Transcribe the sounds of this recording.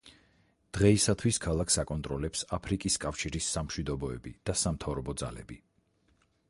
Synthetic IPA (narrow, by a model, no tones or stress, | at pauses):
d̪̥ʁɛisat̪ʰwiskʰalˠakʰsakʼɔnt̪ʼɾɔlɛpsapʰɾikʼiskʼafʃiɾisːamʃwid̪ɔbɔɛbḭd̪̥asamt̪ʰavɾɔbɔd̪za̰lɛ̰bi